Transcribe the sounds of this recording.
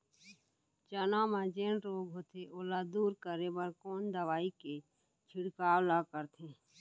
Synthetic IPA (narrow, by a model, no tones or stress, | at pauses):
t͡ʃənamãd͡ʒẽːɳʈɾoːɡɦoːt̪eʔoːlad̪uːɾkəɾebəɾkoːnd̪əʋaːike | t͡ʃʰɪɽkaːwlakəɾt̪ʰẽː